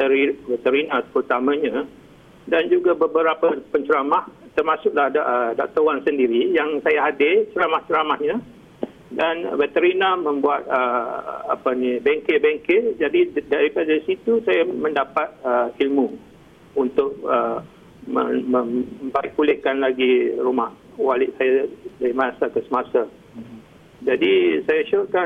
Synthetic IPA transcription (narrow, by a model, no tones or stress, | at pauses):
t̪əɾivɛt̪əɾinapərt̪amãɲã | dand͡ʒuɡabəbəɾapəpəɲt͡ʃəɾamaht̪ərmãsʊk̚lahdədɔ̰ʔ̚t̪owansəndiɾijaŋsajaɦadɪt͡ʃəɾamaht͡ʃəɾamahɲã | danvɛt̪əɾinamə̃mbuat̪̚əa̰pənĩbɛŋkɪbɛŋkɪd͡ʒadidaɾipadaisit̪usajamə̃ndapat̪̚əilmu | unt̪ʊk̚ə | mə̰mə̃mmbaɪk̚pulɪhkanlaɡiɾumah | walɪʔsajadaɾimanasakəsəmasa | d͡ʒadisajaʃuka